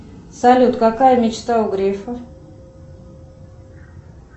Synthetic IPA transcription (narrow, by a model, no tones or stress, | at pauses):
sɐlʲut̪kakajəmʲɪt͡ɕt̪aʊɡɾʲefə